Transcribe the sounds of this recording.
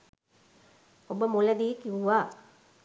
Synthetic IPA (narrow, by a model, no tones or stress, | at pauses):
obəmuləd̪iːkiuʋaː